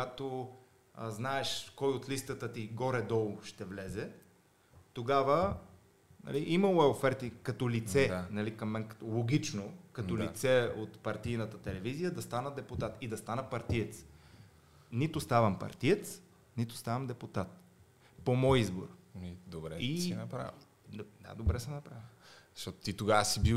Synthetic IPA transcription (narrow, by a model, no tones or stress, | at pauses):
at̪o | znaɛʃkɔjot̪list̪ət̪ət̪iɡɔɾɛd̪ɔlˠoʃt̪ɛvlɛzɛ | t̪oɡavə | nɐ̰liʔimɐlˠoɛofɛɾt̪ikɐt̪ɔlit̪sɛnɐlikɐmːɛnkɐ̥t̪lˠoɡʲit͡ʃnokɐt̪ɔlit̪sɛot̪pɐɾt̪ijnət̪ət̪ɛlɛvizijəd̪ɐst̪anəd̪ɛput̪at̪id̪ɐst̪anəpɐɾt̪ijɛt̪s | nit̪ʊst̪avɐmpɐ̰ɾt̪ijɛt̪s | nit̪ʊ̥st̪avəmd̪ɛput̪at̪̚ | pomɔjizbo̰ɾid̪obɾɛiɛnɐpɾa̰vi | d̪a̰d̪obɾɛsɛnɐpɾavizʃt̪ɔt̪o̥t̪it̪oɡaəsibi